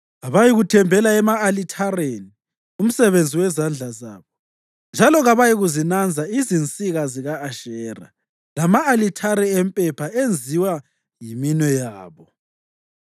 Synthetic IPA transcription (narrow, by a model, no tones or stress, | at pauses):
ɣaβajiɣutʰɛmbʱɛlaɛmaːlitʰareni | um̩sɛβend͡zʱiwɛzand͡ɮʱaza̰ːβɔ | nd͡ʒʱalɔɣaβajiɣuzinand͡zʱaizint͡sʼiɣaziɣaːʃɛra̰ | lamaːlitʰaɾɛempʼɛpʰaend͡zʱiwa | jiminɛjaːβɔ